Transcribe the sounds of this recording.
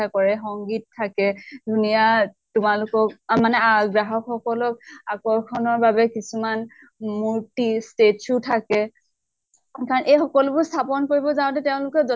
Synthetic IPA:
akɔɹɛxɔŋɡit̚tʰːakɛdʱunija | tʊmalʊkɔkmanɛaɡɹaɦɔkxɔkɔlɔk̚akɔɹkʰɔnɔɹbabɛkisuman | muɹtistetutʰakɛ | kaɹɔnʔejxɔkɔlʊpʊɹstʰapɔnkoɹibɔzaʊ̃tɛtɛʊ̃lʊkɛzɔ

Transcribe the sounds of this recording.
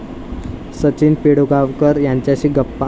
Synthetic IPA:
sət͡ɕiːnpeɽuɡaʋkəɾjaɲt͡ɕjaɕiːɡəpːa

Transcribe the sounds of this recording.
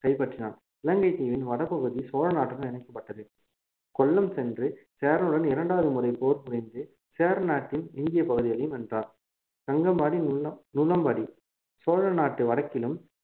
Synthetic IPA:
kɐɪpɐʈrɪna̰ːl | ɪlɐŋɡɐɪt̪iːʋɪnʋɐɽɐpːɐɣɯðisoːɻɐnaːʈːɐɾɐmɪnɐɪkːɐpːɐʈːɐðɯ | kɔlːɐmsɛndrɯseːɾɐnɯɽɐnɪɾɐɳɖaːʋɐðɯmʊrɐɪpoːɾpʊɾɪnd̪ɯ | seːɾnaːʈːɪnɪnd̪ɪjɐpɐɣɯðɪɣɐlɐjɯmɛndraːn | kɐŋɡɐmbaːɽinʊlɐmbaːɽi | soːɻɐnaːʈːɯʋɐɽɐkːɪlɯm

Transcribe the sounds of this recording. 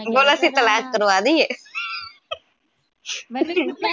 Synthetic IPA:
boːlasĩːt̪əlaːkːəɾoaːd̪iːeː

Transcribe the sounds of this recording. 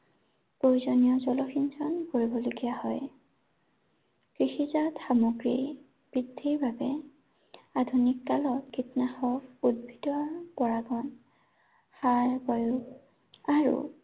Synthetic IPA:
pojzɔnijɔzɔlɔxinzɔnkoɹibɔloɡijahɔj | kɹixizatxamoɡɹi | b̥ɹidʱːiɹbʱabɛ | adʱunikːalɔtkʰitnaxɔkud̚bʱidɔɹpɔɹaɡɔn | xajbɔjuɡ | aɹṵ

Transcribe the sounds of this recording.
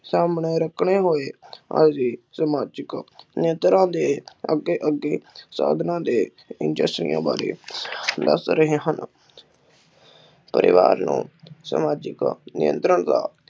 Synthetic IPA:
saːmɳeːɾəkʰɳeːɦoːeːə̰d͡ʒiːsəmaːd͡ʒɪknɪjənt̪ɾãːd̪eːəɡeːʔəɡːeːsa̰ːd̪ʱnãːd̪eː | ɪnd͡ʒəsʈɾɪ̰jã̰ːbaːɾḛːd̪ə̰sɾəɦeːɦən | pəɾɪ̰ʋa̰ːɾnṵ̃ːsə̰maːd͡ʒɪknɪjə̰̃nt̪ɾəɳd̪a̰ː

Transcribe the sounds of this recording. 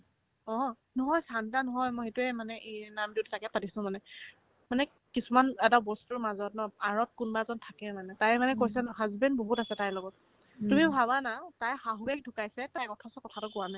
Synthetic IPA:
ɔ̃ | nɔɦɔjsant̬anɔɦɔjmɔjxetuɛmanɛʔenamdititakɛpatisʊ̃manɛ | manɛ | kisumanɛtabɔstʊɹmazɔtnɔaɹɔt̚kunbazɔntʰakɛmanɛtajmanɛkojs̬ɛɔɦazbɛndboɦutasɛtajlɔɡɔt | tumibʱabanatajxaɦuɛk̚dʱukajsɛtajkɔtʰɔsɔkɔtʰatʊkʊwanaj

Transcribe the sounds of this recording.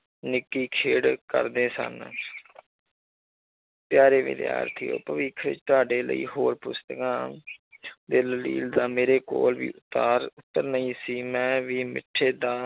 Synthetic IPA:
nɪkːiːkʰeːɽkə̰ɾd̪eːsə̰n | pjaːɾeːʋɪ̰d̪ja̰ːɾt̪ʰijo̰ːpəʋiːkʰʋɪ̰t͡ʃt̪ʊaːɖeːlə̰ḭːɦoːɾpʊst̪əkãː | d̪eːllḭːld̪aːmeːɾeːko̰ːlʋḭːʔʊt̪ːaːɾʊt̪ːəɾnəĩːsiːmɛ̃ːʋiːmɪ̰ʈʰːeːd̪aː

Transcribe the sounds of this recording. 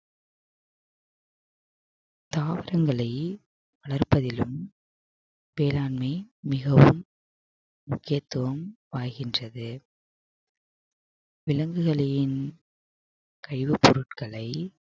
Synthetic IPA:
t̪aːʋɐɾɐŋɡɐɭɐɪ | ʋɐɭɐɾpɐðɪlɯm | ʋeːlaːnmɐɪmɪɣɐʋɯmː | ʊkːɪjɐt̪ːɯʋɐmʋaːjɣɪndrɐðɯ | ʋɪlɐŋɡɯɣɐɭɐjɪn | kɐɻɪʋɯpːɔɾɯʈkɐɭɐɪ

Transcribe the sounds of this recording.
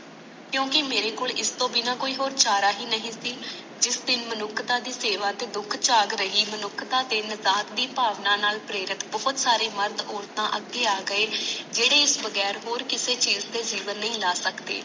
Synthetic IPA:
kjõːkɪmeːɾeːkoːlɪst̪õːbiːnãːkoːiːɦoːɾt͡ʃaːɾaːɦiːnəɦĩːsiː | d͡ʒɪsd̪ɪnmənʊkʰːt̪ãːd̪iːseːʋãːt̪eːd̪ʊkʰt͡ʃaːɡɾəɦiːmənʊkʰːt̪ãːt̪eːnəzaːt̪̚d̪iːpaːʋnãːnaːlpɾeːɾɪt̪bɔːt̪saːɾeːməɾd̪oːɾt̪ãːʔəɡeːaːɡəeːd͡ʒeːɽeːɪsbəɡɛːɾɦoːɾkɪseːt͡ʃiːzd̪eːziːʋənːəɦĩːlaːsəkd̪ḛː

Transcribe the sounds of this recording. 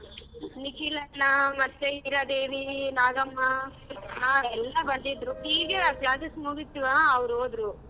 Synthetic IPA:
nikilɐnɐmɐt̪ːeiːɾad̪eːʋinaːɡɐmːɐ | naːɾɛlːɐbɐnd̪id̪ɾuiːɡepjaːsɐsmuɡit̪ːiʋaːʋɾoːd̪ɾu

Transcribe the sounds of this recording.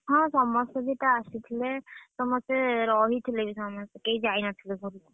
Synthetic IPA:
ɦɔ̃sɔmɔsɔbitaːsit̪ʰilɛsɔmɔstɛɾɔɦit̪ʰilebisɔmɔsɛkejzajnat̪ʰilɛɡʱɔɾi

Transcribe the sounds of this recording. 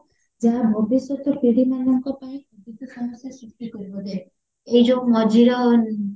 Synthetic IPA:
d͡ʒabʱɔbisɔt̪ɔpiɽimanɔŋkɔpaĩd̪it̪usɔmɔsjasɾust̪ikɔɾibɔd̪a | ejd͡ʒɔũmɔd͡ʒiɾɔn

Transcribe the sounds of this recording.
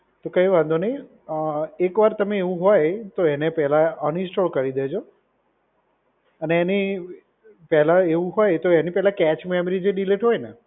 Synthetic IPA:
t̪okə̃ĩʋãnd̪onəj | ekʋaɾt̪əmeeʋũɦojt̪oenepɛɦlãənɪ̃sʈolkəɾid̪ed͡ʒʰo | əneːni | pɛɦlaeʋũɦojt̪oenipɛɦlãkɛt͡ʃmɛmɾid͡ʒeɖileʈɦojne

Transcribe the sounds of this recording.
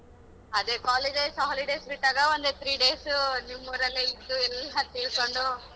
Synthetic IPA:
ɐd̪ekaːliɖesaɦliɖeːsɾiʈːaːɡɐʋond̪et̪ʰɾiːɖeːsunimːuɾɐlːeid̪ːuɛlːɐt̪iːɭkoɳɖu

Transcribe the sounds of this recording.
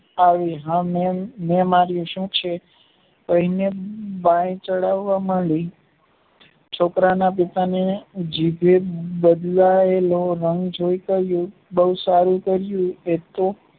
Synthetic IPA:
aʋiɦãmememaɾjũʃũt͡ʃʰe | kəɦinebãẽt͡ʃəɽaʋːaməɭi | t͡ʃʰokɾanap̬it̪aned͡ʒibʱebəd̪laeloɾəŋɡd͡ʒoikəɾjũ | bəɦusaɾũkəɾjũet̪o

